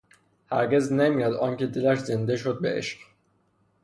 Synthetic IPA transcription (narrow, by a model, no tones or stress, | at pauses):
hæɾɟeznemijɑd̪ɒŋcid̪ilæɾzind̪eʃod̪̚beʔḛʃq